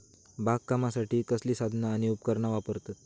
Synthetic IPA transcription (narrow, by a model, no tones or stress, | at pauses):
bak̚kːamasaʈiːkəsliːsad̪ʱnaːɽ̃iupkəɾɳaʋapəɾt̪at̪̚